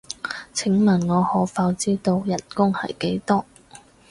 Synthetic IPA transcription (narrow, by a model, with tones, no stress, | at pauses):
t͡sʰɪ˨˥ŋmɐ˨˩nŋɔː˨˧hɔː˨˥faː˧wt͡siː˥t̪o˧wjɐ˨˩nkʊ˥ŋhɐ̰˨jke˨˥jt̪ɔː˥